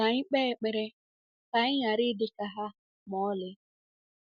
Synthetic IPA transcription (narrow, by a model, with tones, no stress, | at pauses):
a˨ɲɪ˦k͡pɛ˦˨k͡pe˨ɾe˦ | ta˨˦ɲɪ˦ɲa˨ɾɪ˦dɪ˨ka˨ɦa˦ | mɔ˨˦lɪ˦